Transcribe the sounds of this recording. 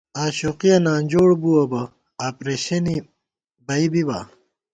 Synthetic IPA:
aːɕoqiɐnaːnd͡ʑoːɽbuɐbɐ | aːpɾeːɕɐni | bɐibiba

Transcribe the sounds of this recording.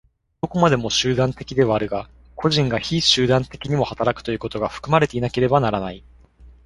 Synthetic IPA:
d̪̥o̞ko̞mad̪e̞mo̞ɕɨːd̪ãnt̪e̞kʲid̪e̞βaːɾɯ̟ɡa | kʰo̞ʑĩŋɡaçiɕɨːd̪ãnt̪e̞kʲiɲ̟imo̞hat̪aɾakɯ̥t̪o̞jɯ̟ːko̞t̪o̞ɡaɸɯ̥kɯ̟maɾe̞t̪e̞inake̞ɾe̞banaɾanai

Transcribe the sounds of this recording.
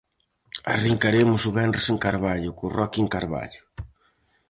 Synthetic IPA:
a̰riŋkaɾemʊsʊβɛnreseŋkaɾβaʎʊkʊrɔkieŋkaɾβa̰ʎʊ̥

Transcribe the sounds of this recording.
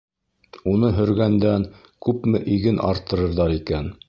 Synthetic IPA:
unɤɦɵ̆ɾɡænd̪æn | kʉpmɘʔiɡɘnʔɑ̰ɾt̪ʰːɤ̆ɾɤ̆ɾðɑɾikæn

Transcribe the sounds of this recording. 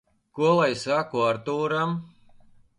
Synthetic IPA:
kuɔlˠajsakuaɾt̪uːɾam

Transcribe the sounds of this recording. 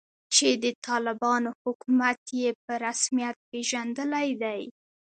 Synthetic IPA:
t͡ʃed̪ət̪ʰɑlɪbɑnohʊkumat̪jep̚əɾasmijat̪̚peʒand̪əlajd̪aj

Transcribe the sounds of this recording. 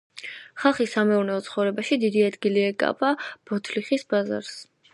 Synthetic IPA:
χalˠχisamɛuɾnɛɔt̪sʰχɔvɾɛbaʃid̪id̪iad̪ɡiliɛkʼa̰pʼab̥ɔt̪ʰliχisbaza̰ɾs

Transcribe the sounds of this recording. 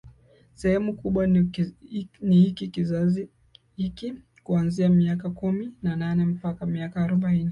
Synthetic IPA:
sɛhɛmukuɓwa | nihikikizazi | hiki | kuanziamiakakuminananɛm̩pakamiakaːɾuɓaini

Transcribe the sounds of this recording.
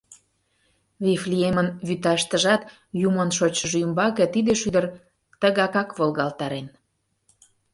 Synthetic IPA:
βifliemənβyt̪ɑʃt̪əʒɑt̪ | jumənʃot͡ɕəʒymbɑket̪id̪eʃyd̪ər | t̪əɣɑkɑkβolˠɣɑlt̪ɑɾen

